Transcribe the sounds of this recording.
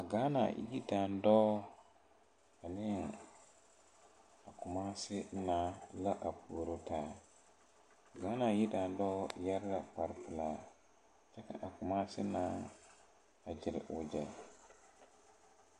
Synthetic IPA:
a˨ɡaː˨˦na̰˨ji˦da˨ndɔː˦ | a˨nɪ˦ŋ | a˨kʊ˨maː˦sɪ˦naː˨˦la˦ʔa˨pʰuː˨ɾo˦taː˦ | a˨ɡaː˨˦na˨ji˦da˨n˦dɔː˦˨ja˦ɾɡa˨k͡pa˨ɾpɨ˨laː˦ | t͡ʃɛ˦ka̰˨ʔa˨kʊ˨maː˦sɪ˦naː˦ | a˨d͡ʒɪ˨ɾ̰ʊ˨d͡ʒɛ˨l

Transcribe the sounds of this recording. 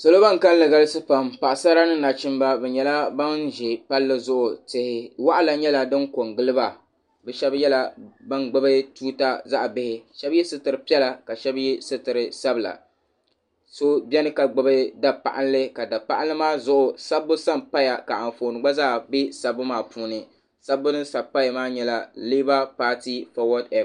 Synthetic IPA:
so˨lo˦ba˦ŋ˨ka˦llɨ˨ɡa˦lɨ˦sɨ˦pa˨mpa˨ʔa˨sa˦ɾa˦nɨ˦na˨t͡ʃɪ˦m˦ba˦bɛ˨ɲɛ˨la˦ba˦nʒɛ˨pa˦lːɨ˦zʊ˦ʔʊ˨tɪ˨hɪ˨wa˦ʔa˦la˨ɲɛ˦la˦dɨ˦nko˨ŋɡɨ˦lɨ˦ba˨ | bɛ˨ʃɛ˦bjɛ˦la˦ba˦nɡ͡bɨ˦bɨ˦tuː˦ta˦za˦ʔbɪ˦hɪ˦ʃɛ˦bjɛ˦sɨ˦tɨ˨ɾɨ˨pi˦ɛ˦la˨ka˨ʃɛ˦bjɛ˦sɨ˦tɨ˨ɾɨ˨sa˦bla̰˨ | so˦bɛ˦nɨ˦ka˨ɡ͡ba˨ba˦da˨pa̰˨ʔa̰˦nlɨ˦ka˨da˨pa˦ʔa˦nlɨ˦maː˦zʊ˦ʔʊ˨sa˦bːʊ˦sa˦mpa˦ja˨ka˨ʔa˨n˨foː˨nɨ˨ɡ͡ba˦za˦ʔbɪ˦sa˨bɨ˦maː˨puː˦nɨ˨ | sa˦bːʊ˦nɨ˦nsa˨pa˦ja˨maː˦ɲɛ˦la˨li˦ba˦paː˦ti˦fɔ˨wɔ˦tɛ˨p

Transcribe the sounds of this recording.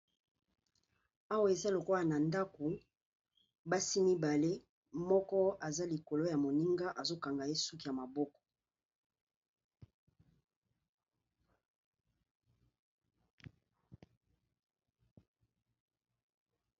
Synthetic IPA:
a˦wa˦˨e˨za˦lo˨ko˦la˨na˨nda˦ko˨ | ba˦si˦mi˦ba˨le˦ | mɔ˦kɔ˦a˨za˦li˨ko˨lo˦ja˨mo˨ni˦ŋɡa˦ʔa˨zo˦ka˨ŋɡa˨je˦su˦ki˨ja˨ma˨bɔ˦kɔ̥˨

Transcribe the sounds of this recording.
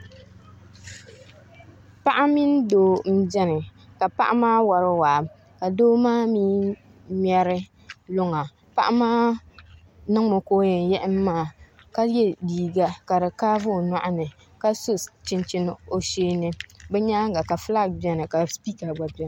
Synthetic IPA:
pa˦ʔa˦mi˦n˦doː˦m̩˦d͡ʒɛ˦nɨ˨ka˨pa̰˦ʔa˦maː˦wa˨ɾɨ˦waː˨ | ka˨doː˦maː˦miː˦ | m˦ɛ˦ɾɨ˦ | lʊ˦ŋa˨ | pa˦ʔa˦maː˦ | nɨ˦ŋ˦mo˨koː˦ɲɛ˨jɛ˦ʔɪ˦mː˦aː˦˨ | ka˦jɛ˦diː˨ɡa˦ka˨ɾɨ˨kaː˦vʊ˦˨na˦˨ʔa˦nɨ˨ | ka˦sʊ˦t͡ʃi˦nt͡ʃi˦n˦o˨ʃeː˦nɨ˦bɛ˦ɲaː˦ŋɡa˨ka˨fla˦˨k̚bi˦ɛ˨nɨ˨ka˨spiː˦ka˨ɡ͡ba˨bɛ˦n˨

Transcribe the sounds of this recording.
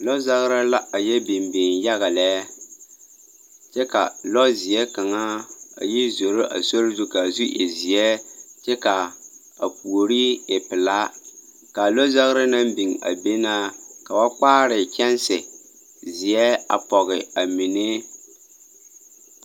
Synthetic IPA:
lɔ˦za˦ɣɾɪ˦la˦a˨jɛ˦bi˨mbɪ˨ŋja˦ɣa˨lɛ˦ | t͡ʃɛ˦ka̰˨lɔ˦zɪ˨ɛ˦ka˨ŋa˦a̰˨ji˦zo˨ɾo˦ʔa̰˨so˦ɾzu˦ka˨zu˦ʔɛ̰˨zɪ˨ɛ˦t͡ʃɛ˦ka˨ | a̰˨pu˨o˨ɾi˦e˨pɪ˨laː˦ | ka˨lo˦za˦ɣɾɪ˦na˦mbi˨ŋa̰˨be˦naː˦ka˨ba˦k͡paː˦ɾɪ˨kʲɛ˦n˦sɪ˨ | zɪ˨ɛ˦a̰˨pɔ˨ɣɪ˨a˨mi˨ne˦

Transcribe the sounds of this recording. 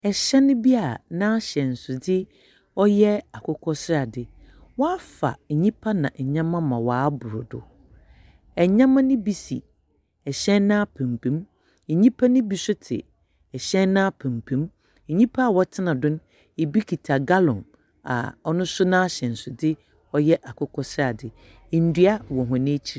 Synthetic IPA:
ɛ˨ɕɛ˦nʊ̃˦bi˦a˨nã˦a˦ɕɛ̃˨n̩˨sʊ˨dɪ˦ | ɔ˦jɛ˦a˨kʰɔ˦kʰɔ˦sɪ˦ɾa˨dɪ˨ | wɔ˦a˦fa̰˨ɲĩ˦pʰa˦nã̰˨ʔɛ˨ɲã˦mã˦mã˨waː˨˦bʊ˨ɾʊ˨dʊ̰˨ | ɛ˨ɲã˦mã˦nʊ̃˦bi˨sḭ˨ | ɛ˨ɕɛ̃˦nːã˦pʰɛ̃˨m˨pʰẽ˦m̩˨ | ɲĩ˦pʰa˦nʊ̃˦bi˨sʊ˦tʰɪ̰˨ | ɛ˨ɕɛ̃˦nnːã˦pʰɛ̃˨m˨pʰẽ˨˦m̩˨ | ɲĩ˦pʰa˦a˨wɔ˦tʰɪ˦nã˨dʊ̃˦n | e˨bi˦kʰi˨tʰa˨ɡa˦lʊ̃˨n | a̰˨ɔ˦nʊ̃˦sʊ˦nã˦a˦ɕɛ̃˨n̩˨sʊ˨dɪ˦ | ɔ˦jɛ˦ʔa˨kʰʊ˦kʰɔ˦sɪ˦a˨dɪ˨ | n̩˨dɥa˦wɔ̃˨ɦʊ̃˨nɪ̃˦t͡ɕʰi˦ɾ

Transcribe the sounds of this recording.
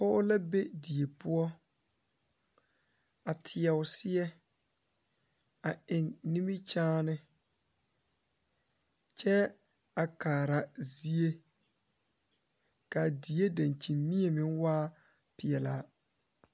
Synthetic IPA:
pɔ˦ʊ˦la˦be˦di˨e˨pʊ˦ɔ˦ | a˨tʰɪ˨ɛ˨ʊ˨sɪ˦ɛ˦ | a˨ɪ˨nːi˦mi˦t͡ʃaː˦nɪ˦ | t͡ʃɛ˦ | a˨kaː˨ɾa˨zi˦e˦ | ka˨di˨˦e˦da˨nt͡ʃi˨nmi˦e˨mɪ̃˦ŋwaː˦ | pɪ˨ɛ˨laː˦

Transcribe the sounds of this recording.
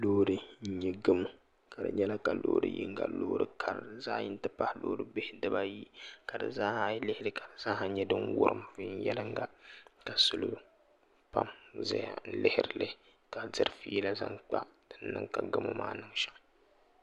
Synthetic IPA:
loː˦ɾɨ˦n̩˦ɲi˦ɡɨ˦mu˦ | ka˨dɨ̰˨ɲɛ˦la˦ka˨lo̰ː˦ɾɨ̰˦jḭ˦ŋ˦ɡa̰˨loː˦ɾɨ˦kʰa˨ɾzaː˦jɪ˦n˦tɨ˦pa˦hloː˦ɾɨ˦bɪ˦hɪ˦dɨ˦ba˦ji˦ka˨dɨ̰˨zaː˦ha˦lɪ˦hɪ˦dɨ˦ka˨dɨ˨zaː˦ha˦ɲɛ˦dɨ˦ŋwʊ̰˦ɾɨ˦m˨vi˦n˦jɛ˦lɨ˦ŋɡa˦ka˨sʊ˦lu˦ | pa̰˦mza̰˦ja̰˨n̩˦lɪ˦hɪ˦ɾɪ˨lɨ˦ | ka˨dɨ˦ɾfi˦la˦za̰˦ŋk͡pa˦d̥ɨ˨n˦nɨ˦ŋka˨ɡɨ˦mṵ˦ma̰ː˦nɨ˦ŋʃa˨ʔɨ˦

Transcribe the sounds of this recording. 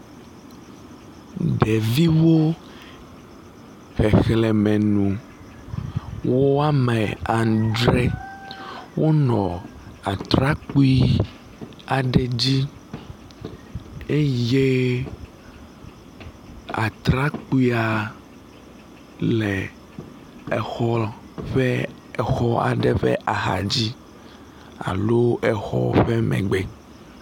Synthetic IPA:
ɖɛ˨vi˦wo˦ | xɛ˨xlɛ˨mɛ̃˨nũ˨ | wo˦a˦mɛ˨a˨ŋ˨d͡ʒɾɛ˦ | wo˦nɔ̰̃˨a˨t̪ɾa˦k͡pu˦i˦ | a˨ɖɛ˨d͡ʑi˦ | e˦je˦ | a̰˨t̪ɾa˦k͡pu˦i˦a˨ | lɛ˨ | ɛ˨xɔ˦ | ɸɛ˦ | ɛ˨xɔ˦a̰˨ɖɛ˦ɸɛ̰˦ʔa˨xa̰˨d͡ʑi˦ | a̰˨lo˦ɛ˨xɔ̰˦ɸɛ˦mɛ̰̃˨ɡ͡be˨

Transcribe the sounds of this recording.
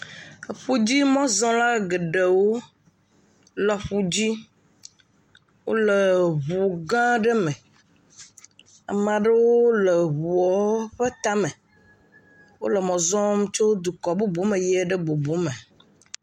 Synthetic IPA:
ɸu˦d͡ʑi˦mɔ̃˦zɔ̃˦la˦ɡe˨ɖe˨wo˦ | lɛ˨ɸu˦d͡ʑi˦ | wo̰˦le˨βu˨ɡã˦ɖe˦mɛ̃˨ | a̰˨mã˨ɖe˦wo˦le˨βu˨ɔ˦ɸe˦t̪a˦mẽ˨ | wo̰˦lə˨mɔ̃˨zɔ̃˦mũ˦t͡ʃo˦d̪u˨kɔ˨bo˦bu˦mẽ˨jɛ˦ɖe˦bo˨bo˨˦mẽ˨

